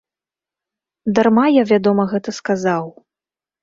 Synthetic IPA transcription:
d̪armajavʲad̪ɔmɐɣɛt̪ɐskazaw

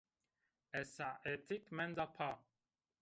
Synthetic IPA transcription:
ɛsaɛt̪ʰikmɛ̃nd̪apʰa

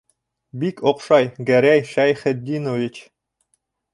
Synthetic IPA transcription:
bikʰoqʃɑjɡæɾæjʃæjχɘ̆d̪ʲːinovʲit͡ɕ

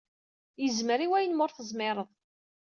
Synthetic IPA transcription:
jəzməɾiwæjənmʊɾθəzˤmɪɾˤəðˤ

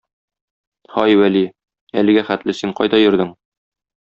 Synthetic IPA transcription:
hɒjwæli | ælɘ̆ɡæχæt̪lɘsiɴqɒjd̪ɑjɵ̆ɾd̪ɘɴ

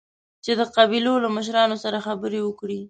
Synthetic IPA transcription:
t͡ʃed̪əqabilolaməʃ̬ɾɑnosaɾaxabəɾewəkɽi

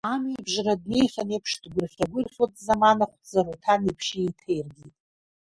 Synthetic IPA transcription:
amebʒrad̚ne̞jχʲanepʰʂdɡʷʊrχʲaɡʷʊrχʲatʼzamanaχʷtd͡zaɾutʰanipʰʃejtʰe̞jrɡʲitʼ

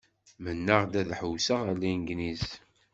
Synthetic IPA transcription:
mənːəʁd̪æðħəwsəʁælːæjnɡniz

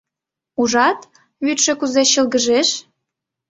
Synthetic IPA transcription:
uʒɑt̪ | βyt̪ʃekuzeɕəlɣəʒeʃ

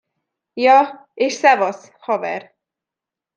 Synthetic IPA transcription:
jɒ | eːʃsɛvɒs | hɒvɛ̰r

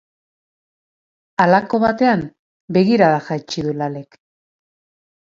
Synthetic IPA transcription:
alako̞βat̪e̞am | be̞ɣiɾaðaxat͡ʃiðulale̞k

